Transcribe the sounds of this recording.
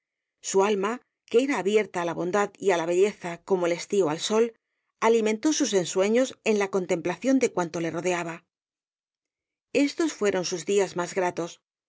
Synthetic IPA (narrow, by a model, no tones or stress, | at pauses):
sualma | ke̞eɾaːβje̞ɾt̪aːlaβo̞nd̪aðialaβ̞e̞ʎe̞θako̞mo̞le̞st̪ioalso̞l | alimẽ̞nt̪o̞suse̞nswe̞ɲo̞se̞nlako̞nt̪e̞mplaθjo̞nd̪e̞kwant̪o̞le̞ro̞ðe̞aβa | e̞st̪o̞sfwe̞ɾo̞nsuzðiazmazɣɾat̪o̞s